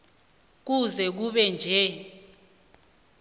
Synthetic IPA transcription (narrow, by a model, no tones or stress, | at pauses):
k̬uzɛk̬uɓɛnd͡ʒʱɛ